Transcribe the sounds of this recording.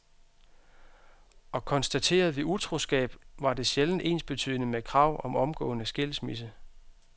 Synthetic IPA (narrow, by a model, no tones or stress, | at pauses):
ɒ̽kʰɒ̽nsd̥æt͡sʰe̝̰ːɐð̞̩ˠʋiut͡sʰʁo̝sɡ̥ɛ̰ːb̥ʋɑ̈de̝ɕeln̩ʔe̝̰ːnsb̥e̝t͡sʰy̰ðˠnəmekʰʁɑ̈ʊ̰ʔɒ̽mɒ̽mɡ̥ɔ̰̽ːnəsɡ̥e̝l̰smis̬ə